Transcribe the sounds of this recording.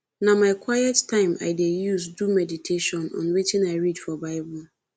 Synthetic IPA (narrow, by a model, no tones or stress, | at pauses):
namaɪkʰwajɛttãɪ̃mʔa̰ɪdejuzdumɛditʰeʃɔ̃nɔ̰̃nwet͡ʃɪ̃naɪɹidfɔbaɪbɔl